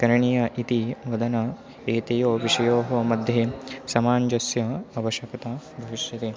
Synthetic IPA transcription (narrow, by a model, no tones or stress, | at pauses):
kɐɾɐɳijɐʔit̪iʋɐd̪ɐnɐ | eːt̪ɐjoːʋiʂɐjoːɦɐmɐd̪ʱjesɐmaːɲd͡ʒɐsjɐɐʋɐʃjɐkɐt̪ɐbʱɐʋiʃjɐt̪e